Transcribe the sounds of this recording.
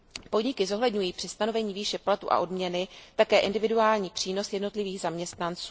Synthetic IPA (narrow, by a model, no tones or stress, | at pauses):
po̞dɲɪkɪzo̞ɦlɛdɲujiːpr̥ɪst̪ano̞vɛɲiːviːʃɛplat̪ṵʔa̰ʔo̞dmɲɛnɪt̪akɛːʔɪndɪvɪduaːlɲiːpr̝̥iːno̞sjɛdno̞t̪lɪviːɣzamɲɛst̪nant͡suː